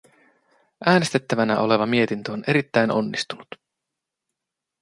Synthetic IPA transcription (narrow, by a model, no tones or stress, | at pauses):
ʔæːnest̪et̪ːæʋænæ̰ʔo̞le̞ʋɑmie̞t̪int̪øone̞ɾit̪ːæjno̞̰nːist̪unut̪